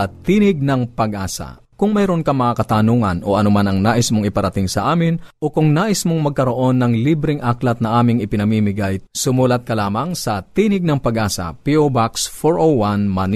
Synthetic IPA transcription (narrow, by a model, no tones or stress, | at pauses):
ɐt̪iːnɪɡ̚nɐŋpɐɡʔaːsɐ̰ | kʊŋmɛɾonkɐmɐŋakɐt̪aːnuŋɐnʔo̞̰ʔɐnomanɐŋnaːʔɪsmoŋɪpɐɾɐt̪ɪŋsɐʔaːmɪnʔo̞kʊŋnaːʔɪsmoŋmɐɡ̚kɐɾo̞ʔo̞nːɐŋlibɾɪŋʔaklɐt̪̚nɐʔaːmɪŋɪpɪnɐmiːmɪɡajsʊmuːlɐt̪̚kɐlaːmɐŋsɐt̪iːnɪɡ̚nɐŋpɐɡʔaːsɐ̰piʔobaksfoɹʔowanman